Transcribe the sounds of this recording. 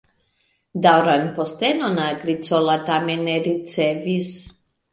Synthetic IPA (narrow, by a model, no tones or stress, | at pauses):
d̪awɾanpɔst̪ɛnonaɡɾit͡sɔlat̪amɛnɛɾit͡sɛvis